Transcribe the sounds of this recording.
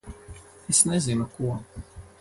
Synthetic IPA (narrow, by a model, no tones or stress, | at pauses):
esnezinukuɔ